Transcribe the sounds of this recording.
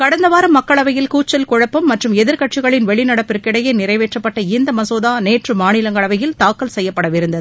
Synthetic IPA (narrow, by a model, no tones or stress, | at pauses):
kɐɽɐnd̪ɐʋaːɾɐmːɐkːɐɭɐʋɐjɪlkuːt͡ʃːɐlkʊɻɐpːɐmːɐʈrɯmɛðɪɾkɐʈ̚t͡ʃɪɣɐɭɪnʋɛɭɪnɐɽɐpːɪɾkɪɽɐjɐnɪɾɐɪʋeːʈrɐpːɐʈːɐɪnd̪ɐmɐsoːðaːneːʈrɯmaːnɪlɐŋɡɐɭɐʋɐjɪlt̪aːkːɐlsɛjːɐpːɐɽɐʋɪɾɯnd̪ɐðɯ